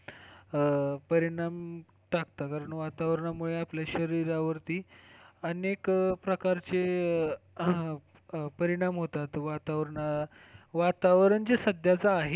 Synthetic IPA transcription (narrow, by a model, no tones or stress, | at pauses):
pəɾiɽ̃am | ʈakt̪akaɾəɳʋat̪aʋɾəɳamuɭeapljaɕəɾiɾaʋəɾt̪iːənekpɾəkaɾt͡se | pəɾiɽ̃amɦot̪at̪ʋat̪aʋɾəɳa | ʋat̪aʋɾəɳd͡zesəd̪ʱjat͡saːɦe